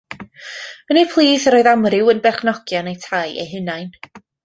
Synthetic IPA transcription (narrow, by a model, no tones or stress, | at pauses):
ənepʰlˠiːθəɾoːɨðamrɪwənbɛrχnɔɡ̥jɔnejtʰajʔḛjɦɪnajn